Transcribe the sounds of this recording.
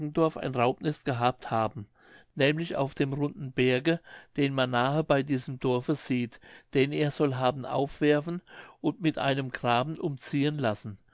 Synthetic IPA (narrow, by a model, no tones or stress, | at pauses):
ɡŋ̩dɔɐfa̰ɪnʁaʊp̚nɛstɡ̥əɦaːp̚thaːbm̩ | nɛːmlɪça̰ʊfd̥eːmʁʊndn̩bɛɐɡəd̥eːnmanːaːhəbaɪdiːzəmdɔɐfəz̥iːtd̥ɛneːɐz̥ɔlɦaːbn̩ʔa̰ʊfv̥ɛɐfn̩ʔʊntmɪtʔa̰ɪnəmɡʁaːbn̩ʔʊmt͡siːənlasn̩